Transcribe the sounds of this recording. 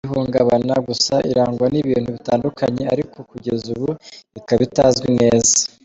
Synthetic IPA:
iɦuːŋɡaβanaɡusaʔiɾaːŋɡwaniβiːn̥huβitaːndukaɲe̞aɾiko̞kuɟe̞zuβuikaβitaːzɡwine̞ːza

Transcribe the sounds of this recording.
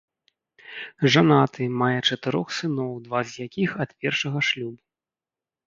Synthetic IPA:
ʐanat̪ɨmajɛt͡ʂɐt̪ɨɾɔxsɨnɔwd̪vazʲjakʲixɐt̪pʲɛrʂɐɣɐʂlʲubu

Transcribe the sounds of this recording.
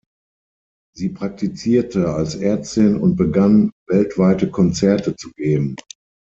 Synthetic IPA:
ziːpʁ̥ak̚tit͡siːɐtʰəalsʔɛɐt͡stɪnʊ̰nt̚b̥əɡanvɛltv̥aɪtəkʰɔnt͡sɛɐtət͡suɡeːbm̩

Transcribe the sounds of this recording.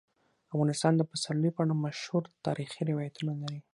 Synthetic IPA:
afɣɑnɪst̪ɑnd̪əpasaləjopɽamaʃhuɾt̪ɑɾixiɾɪwɑjat̪unalaɾi

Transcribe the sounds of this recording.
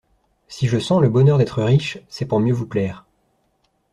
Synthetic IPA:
siʒəsɑ̃ləbɔnœʁd̪ɛt̪χəʁiʃsɛpuʁmjøvuplɛːʁ

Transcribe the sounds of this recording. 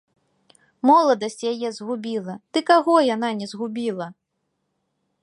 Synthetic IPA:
mɔlˠɐd̪ɐsʲt͡sʲjajɛzɣubʲilˠɐd̪̥ɨkaɣɔjananʲɛzɣubʲilˠɐ

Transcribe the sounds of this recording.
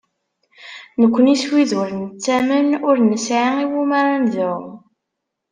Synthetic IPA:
nəkʷːəniswiðuɾənt͡sːæmənʊɾnəsʕaiwumaɾˤanðʊw

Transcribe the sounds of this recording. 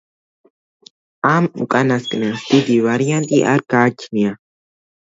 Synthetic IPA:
amṵkʼanaskʼnasd̪id̪ivaɾjant̪ʼiʔa̰ɾɡat͡ʃʰnia

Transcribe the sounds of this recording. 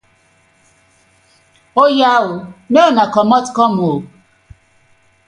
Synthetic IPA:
ojawʊneonakɔmɔtkɔmo

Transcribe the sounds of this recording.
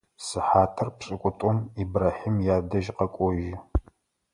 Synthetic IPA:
sɨħaːtʰɐrpɕʼɨkʷʼʊtʼɔmibraːħiːmjaːdɐʒqɐkʷʼɔʒɪ

